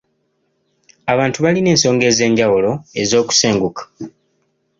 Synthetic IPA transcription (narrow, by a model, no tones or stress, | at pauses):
aβaːntuβaline̞ːnso̞ːŋɡe̞ːze̞ːɲɟawulo̞e̞zo̞ːku̥seːŋɡukḁ